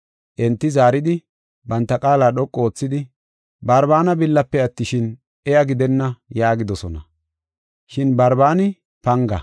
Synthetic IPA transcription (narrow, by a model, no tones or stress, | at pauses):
ʔɛnt̪ːɪzaːɾɪd̪ɪ | bɐnt̪ːɐkʼaːlaːɗɔkʼːo̞ːt͡sːɪd̪ɪ | bɐɾbaːnɐbɪlːɐpːɛɐt̪ːɪʃɪn | ʔɛjɐɡɪd̪ɛnːɐjaːɡɪd̪ɔsɔnɐ̰ | ʃɪnbɐɾbaːnɪ | pɐŋɡɐ